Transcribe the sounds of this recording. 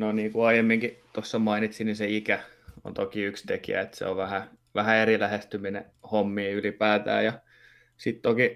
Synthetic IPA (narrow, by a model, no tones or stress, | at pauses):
noniːŋkuɑijemːiŋkit̪osːɑmɑinit̪siniseikæ | o̰nt̪okiykst̪ekḭæ̰et̪sḛo̰ʋʋæhæʋæhæerilæhest̪yminḛ | homːiːylipæːt̪æ̰ːjɑ | sit̪t̪oki